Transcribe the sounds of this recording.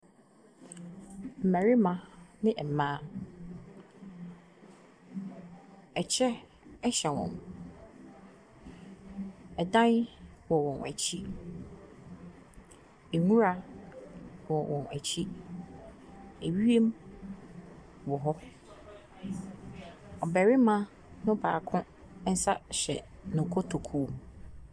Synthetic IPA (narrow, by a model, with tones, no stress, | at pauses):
m̩˨mæ̃˨ɾi˦mã˨nɪ̃˦ʔɛ˨mãː˦ | ɛ˨t͡ɕʰɛ˦ | ɛ˦ɕɛ˨wɔ̰̃˨m | ɛ˨dã˦nwɔ˨wɔ̃˨næ̰˨t͡ɕʰi˦ | e˨ŋũ˦ɾa˦ | wɔ˨wɔ̃˨næ̰˨t͡ɕʰi˦ | e˨ɥi˦e˦m | wɔ˨ɦɔ˦ | ɔ˨bɛ˨ɾɪ˦mã˦ | nʊ̃˦baː˨kʰʊ̃˦ | n̩˦sa˦ɕɛ̰˨nʊ̃˨kʰɔ˦tʰo˨kʰu˦˨m